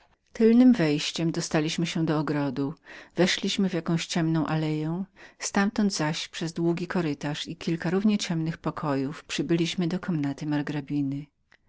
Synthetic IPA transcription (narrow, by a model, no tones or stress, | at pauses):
t̪ɘlnɘmvɛjɕt͡ɕɛmd̪ɔst̪alʲiɕmɘɕɛd̪ɔːɡɾɔd̪uvɛʂlʲiɕmɘvʲjakɔ̃w̃ɕt͡ɕɛmnɔ̃w̃ʔalɛjɛw̃st̪amt̪ɔnd̪zaɕpʂɛzd̪wuɡʲikɔɾɘt̪aʂikʲilkaɾuvɲɛt͡ɕɛmnɘxpɔkʰɔjufpʂɘbɘlʲiɕmɘd̪ɔkʰɔmnat̪ɘmaɾɡɾabʲinɘ